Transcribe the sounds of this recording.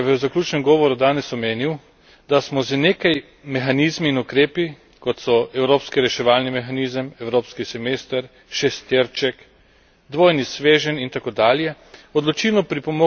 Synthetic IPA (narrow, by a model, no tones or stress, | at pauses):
ʋəzaklʲuːt͡ʃnɛmɡɔːʋɔɾud̪aːnɛsɔmeːniw | d̪asmɔzəneːkaj | mɛxaniːzmiːnukɾeːpi | kɔt̪sɔɛwɾoːpskiɾɛʃɛʋaːlnimɛxaniːzəmɛwɾoːpskisɛmeːst̪əɾ | ʃɛst̪eɾt͡ʃɛk | d̪ʋoːjnisʋeːʒənint̪akoːd̪aːljɛ | ɔd̪lɔt͡ʃilnɔpɾipɔmo